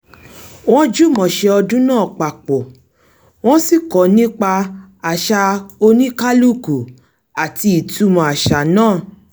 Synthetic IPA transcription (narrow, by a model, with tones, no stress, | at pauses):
w̃ɔ̃˦d͡ʒu˦mɔ̃˨ʃɛ˧ɔ˧dũ˦nãː˦˨k͡pa˨k͡pɔ˨ | w̃ɔ̃˦si˦˨kɔ˨˦nĩ˦k͡pa˧ | a˨ʃa˧o˧nĩ˦ka˦lu˦˨ku˨ | a˨ti˧i˨tu˧˦mɔ̃˨a˨ʃa˨˦nãː˦˨